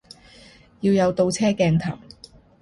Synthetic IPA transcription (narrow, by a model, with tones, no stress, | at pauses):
jiː˧wjɐ˨˧wt̪o˧wt͡sʰɛː˥kɛː˧ŋt̪ʰɐ̰˨˩w